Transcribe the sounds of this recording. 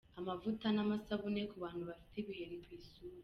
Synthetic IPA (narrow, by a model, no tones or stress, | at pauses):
amavutanamasaβunekuβaːnduβafi̥teβiheɾikwiːsu